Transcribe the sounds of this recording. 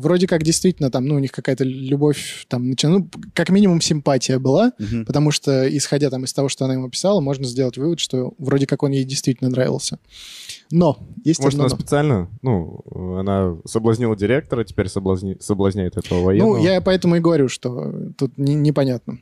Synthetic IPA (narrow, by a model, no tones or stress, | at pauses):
vɾodʲɪkakdʲɪjst̪vʲitʲɪlʲnət̪amnuːnʲixkɐkajət̪əlʲʊbo̞fʲt̪amnət͡ɕɪnukakmʲinʲɪmʊmsʲɪmpatʲɪjəbɨlˠapət̪ɐmuʂt̪oɪsxɐdʲat̪amɨst̪ɐvo̞ʂt̪oɐnaɪmupʲɪ̥salˠəmo̞ʐnəzʲdʲe̞lˠətʲvɨvət̪ʂt̪o̞vɾo̞dʲɪkako̞njejdʲɪjst̪vʲitʲɪlnənɾavʲɪ̰lˠsʲə | no̞jesʲtmoʐnsspʲɪt̪sɨalʲnənuɐnasəblˠɐzʲnʲilˠədʲɪɾʲek̚t̪əɾətʲɪ̥pʲeɾʲsəblˠɐzʲsəblˠɐzʲnʲæjɪt̪ɛt̪əvəvɐjɛnujapɐɛt̪əmʊɪɡəvɐɾʲuʂt̪o̞̰t̪ut̪nʲɪnʲɪpɐnʲat̪̚nə